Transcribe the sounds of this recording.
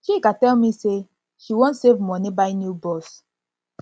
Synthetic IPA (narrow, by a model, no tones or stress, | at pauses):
ʃikatɛlmise | ʃiwõntsevmɔnibaɪnjubɔs